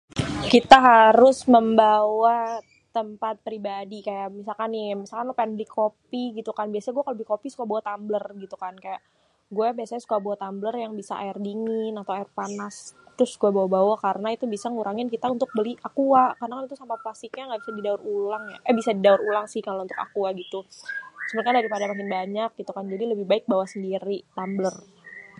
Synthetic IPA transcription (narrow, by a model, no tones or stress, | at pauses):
kit̪aɦaɾʊsməmbawa | t̪əmpat̪̚pɾibadikajaʔmisalkanimisalkanlopaɛnbəlɪkʰopiɡit̪ukanbiasaɲaɡuɛkaləbɪhkopisukabawat̪amblərɡit̪ukankajaʔ | ɡuabiasaɲasu̥kaabawat̪amblərjaŋbisa̰a̰ɪrdiŋɪnat̪awaɪrpanast̪ɾʊsɡuabawabawakaɾənait̪ubisaŋuɾaŋɪnkit̪aunt̪ʊk̚bəliakuakarənakanit̪usampaplasɪkɲaŋɡaʔbisadidaʊɾulaŋja̰abisadidaʊɾulaŋsɪhkalount̪ʊka̰kuaɡit̪usəmənkandaɾipadamak̬ɪnbaɲak̚ɡit̪ukand͡ʒadiləbɪhbaɪk̚bawasəndiɾit̪amblər